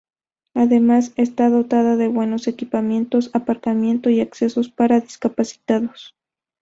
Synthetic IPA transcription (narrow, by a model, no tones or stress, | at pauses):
aðemasest̪aðot̪aðaðeβwe̞no̞se̞kipamje̞nt̪osapaɾkamje̞nt̪oiakse̞so̞spaɾaðiskapasi̥t̪aðos